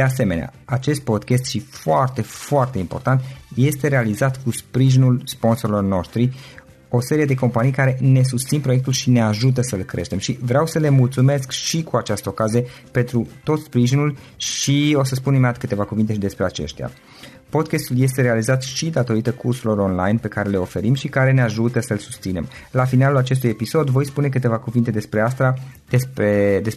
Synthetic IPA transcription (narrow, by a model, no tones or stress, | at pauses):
d̪ease̞me̞nea̰at͡ʃe̞st̪̚po̞d̪kʲest̪ʃifoart̪e̞foart̪e̞impo̞rt̪ant̪je̞st̪eɾe̞alizat̪kuspɾiʒinulspo̞nso̞ɾilo̞rno̞ʃt̪ɾi | o̞se̞ɾije̞d̪e̞ko̞mpanijkaɾe̞ne̞s̬ust̪sinpɾojek̚t̪ulʃine̞aʒut̪̬əsəɨlkɾʔe̞̰ʃt̪e̞mʃivɾeawsəle̞mult̪sume̞skʃikuat͡ʃast̪əokazije | pe̞nt̪ɾut̪o̞t̪spɾiʒinul | ʃio̞səspunimat̪kɨt̪e̞vakuvint̪e̞ʃid̪e̞spɾe̞at͡ʃe̞̰ʃt̪ʲja̰ | po̞d̪kest̪ulje̞st̪e̞ɾealizat̪ʃid̪at̪o̞ɾit̪əkʰursulo̞ɾo̞nla̰jnpe̞kaɾe̞le̞o̞fe̞ɾimʃikaɾe̞neaʒut̪əsəɨlsu̥st̪sine̞̰m | lafinalulat͡ʃe̞s̬t̪uje̞piso̞d̪vo̞jspune̞k̬ɨt̪e̞vakuvint̪e̞d̪e̞spɾeast̪ɾad̪esped̪es